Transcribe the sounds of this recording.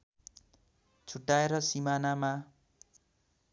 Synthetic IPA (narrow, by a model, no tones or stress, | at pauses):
t͡sʰuʈːaeɾʌsimanama